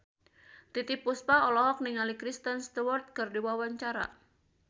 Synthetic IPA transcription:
t̪it̪ipuspaɔlɔɦɔk̚niŋalikɾist̪ənst̪uwɔrt̪̚kɨrdiwawaɲt͡ʃaɾa̰

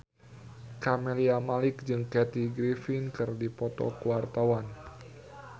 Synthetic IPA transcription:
kamɛliamalɪk̚d͡ʒɨŋkɛt̪iɡɾifinkɨrdipɔt̪ɔ̰kuwart̪awan

